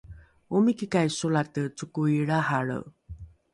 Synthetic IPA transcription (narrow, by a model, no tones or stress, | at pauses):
umikikajsolatət͡sukuiɭaɦaɭə̰